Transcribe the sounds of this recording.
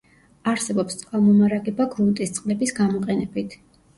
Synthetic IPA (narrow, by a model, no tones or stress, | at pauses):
aɾsɛbɔpst̪sʼqʼalˠmɔmaɾaɡɛbaɡɾunt̪ʼist̪sʼqʼlɛbisɡamɔqʼɛnɛbit̪ʰ